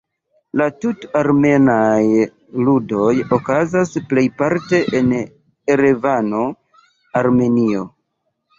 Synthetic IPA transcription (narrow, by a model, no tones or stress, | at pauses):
latutaɾme̞naj | ludo̞jokazasple̞jpaɾte̞ʔen | eɾevano̞ | aɾme̞nio̞